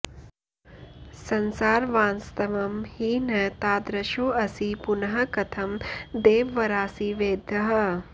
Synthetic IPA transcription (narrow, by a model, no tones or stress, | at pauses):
sɐnsaːɾʋãːnst̪ɐʋɐmhinɐt̪aːd̪ɾɐʃoːɐsipunɐɦɐkɐt̪ʰɐmd̪eːʋʋɐɾaːsiʋeːd̪ʱɐɦɐ̆